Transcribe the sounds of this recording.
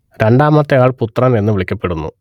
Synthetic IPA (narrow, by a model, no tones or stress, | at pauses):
ɾe̞ɳɖaːmɐt̪ːɐɣaːɭput̪ːrɐne̞nːɨʋiɭikʲːɐpːe̞ɽunːṵ